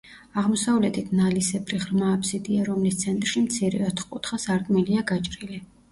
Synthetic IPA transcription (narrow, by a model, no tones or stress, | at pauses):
aʁmɔsavlɛt̪ʰit̪ʰnalisɛbɾiʁɾmaːpʰsid̪iaɾɔmlist̪sʰɛnt̪ʼrʃimt̪sʰiɾɛ̰ɔt̪ʰχqʼut̪ʰχasaɾkʼmiliaɡat͡ʃʼɾili